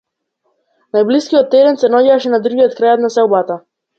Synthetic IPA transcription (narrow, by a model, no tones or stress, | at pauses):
najbliskiɔt̪ːɛd̪ɛnsɛnɔɟaʃɛnad̪ɾuɡijɔt̪kɾajɔt̪nasɛlˠbat̪a